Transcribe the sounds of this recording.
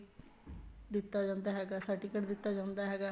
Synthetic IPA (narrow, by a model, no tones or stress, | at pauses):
d̪ɪt̪ːad͡ʒãːnd̪aɦɛːɡaːsaːʈikəɽd̪ɪt̪ːad͡ʒãːnd̪aɦɛːɡaː